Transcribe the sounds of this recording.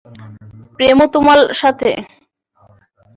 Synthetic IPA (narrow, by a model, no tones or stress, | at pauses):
pɾemot̪umalʃat̪ʰḛ